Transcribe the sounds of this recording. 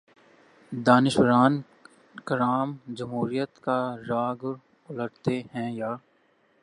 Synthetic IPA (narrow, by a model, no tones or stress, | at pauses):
d̪aːnɪʃwəɾaːn | kəɾaːmd͡ʒɐmɦuːɾijət̪kaɾaːɡʊɾ | ʊləɽt̪eɦɛ̃jaː